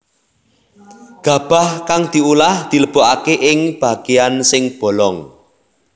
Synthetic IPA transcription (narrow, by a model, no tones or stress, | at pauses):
ɡ̥a̤b̥a̤hkaŋd̪̥i̤ulahd̪̥i̤ləb̥oʔakeʔɪŋb̥a̤ɡ̥eansɪŋb̥ɔ̤lɔŋ